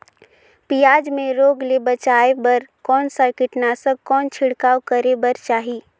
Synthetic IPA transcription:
pijaːd͡ʒmẽɾoːɡlebət͡ʃaːebəɾkɔːnsaɾkɪʈnasəkɔːnt͡ʃʰɪɽkaːwkəɾebəɾt͡ʃaːɦi

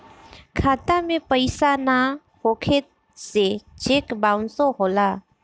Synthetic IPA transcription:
kʰaːt̪amẽpəɪsana | hoːkʰet̪ | set͡ʃeːkbãːʊnsoɦoːlaː

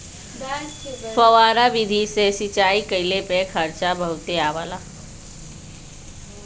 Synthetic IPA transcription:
fəʋaːɾaʋid̪ʱisesit͡ʃaːikəilepekʰəɾt͡ʃabəɦut̪eaːʋalaː

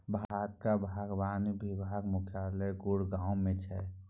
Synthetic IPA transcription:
bʱat̪̚kabʱaːɡbaːnibʱibʱaːɡmʊkʰjaləjɡuɽɡãːwmẽt͡ʃʰɛ

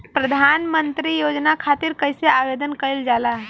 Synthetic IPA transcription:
pɾəd̪ʱanmənt̪ɾijod͡ʒnakʰat̪iɾkəjseabed̪ənkəld͡ʒalaɦ

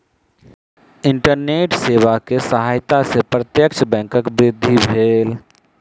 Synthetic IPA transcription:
ɪɳʈəɾneːʈseːwakesəɦajt̪asepɾət̪jəkt͡ʃʰəbɛ̃ːŋkəkbɾɪd̪ʱːibʱeːl

